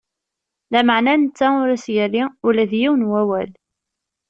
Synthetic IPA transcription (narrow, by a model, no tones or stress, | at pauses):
læməʕnænət͡sːæʊɾæsjælːiʊlæðjiwənwæwæl